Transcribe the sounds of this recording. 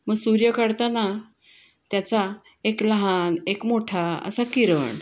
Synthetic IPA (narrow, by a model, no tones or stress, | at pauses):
məɡsuɾjəkəɽt̪ana | t̪jat͡sa | ekləɦanekmoʈʰaə̰sakiɾəɳ